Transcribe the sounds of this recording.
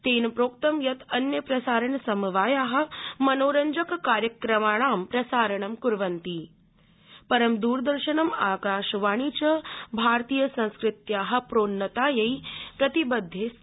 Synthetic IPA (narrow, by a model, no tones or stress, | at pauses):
t̪eːnpɾoːk̚t̪ɐmjɐt̪ʰɐnjɐpɾɐsaːɾɐɳsɐmʋaːjaːɦɐ̆mɐnoːɾɐɲd͡ʒɐkkaːɾjɐkɾɐmaːɳaːmpɾɐsaːɾɐɳɐmkuɾʋɐnt̪iː | pɐɾɐmd̪uːɾd̪ɐɾʃɐnɐmaːkaːʃʋaːɳ̃iːt͡ʃɐbʱaːɾt̪iːjɐsɐ̃nskɾɪt̪jaːɦɐ̆pɾoːnːɐt̪aːjɐjpɾɐt̪ibɐd̪ʱːeːs